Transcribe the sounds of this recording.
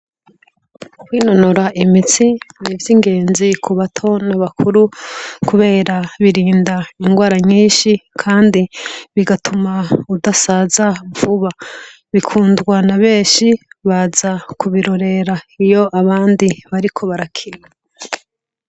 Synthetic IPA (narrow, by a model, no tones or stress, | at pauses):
kwiːnonoɾaʔimit͡sinivjiːŋɡe̞ːnzikʰuβatʰo̞naβakʰuɾukuβe̞ːɾaβiɾiːndaiŋɡwaːɾaɲiːʃikʰaːndiβiɡatʰumaudasazavuβa | βikʰuːndɡwanaβe̞ːʃiβazakuβiɾo̞ɾe̞ɾaijo̞ʔaβaːndiβaɾikʰo̞βaɾakʰije